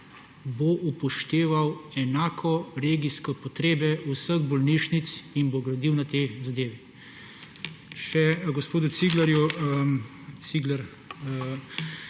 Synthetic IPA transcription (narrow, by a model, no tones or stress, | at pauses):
boʔupɔʃt̪eːʋawɛnaːkʰɔɾeːɡiskɔpɔt̪ɾeːbɛusəɣbɔlniːʃnit̪sinboɡɾɐd̪iwnat̪eːzad̪eːʋɛ | ʃɛɡospoːd̪ut̪siɡlaɾju | siɡlaɾ